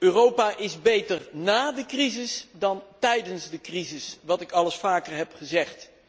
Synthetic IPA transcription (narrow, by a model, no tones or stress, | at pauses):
øːrowpaːʔɪzbejtərnaːdəkrizɪsdɑntɛjdənzdəkrizɪsʋɑtɪkɑləsfaːkərɦɛpχəzɛχt